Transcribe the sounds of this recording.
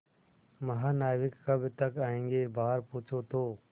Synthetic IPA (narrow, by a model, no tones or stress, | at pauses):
mɐɦaːnaːjʋɪkːəbʱɪt̪əkaːẽːŋɡeːbaːɦəɾpuːt͡ʃʰoːt̪ʰoː